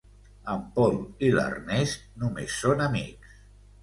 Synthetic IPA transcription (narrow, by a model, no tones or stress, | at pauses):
əmpɔlila̰rnɛsnumḛsːonamiks